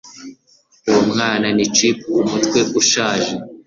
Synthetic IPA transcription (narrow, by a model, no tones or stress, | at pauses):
uumŋaːnanit͡ʃipumutkwe̞ʔuʃaːʒe